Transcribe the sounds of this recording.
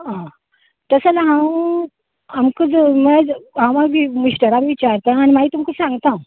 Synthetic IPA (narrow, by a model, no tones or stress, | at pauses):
ɦã | t̪əsəlaɦãw | amkəd͡zməd͡zɦãw̃maɡʋimuɕʈəɾamiʋit͡ɕaɾt̪ãañimaɦiːt̪umkəsãŋɡt̪ã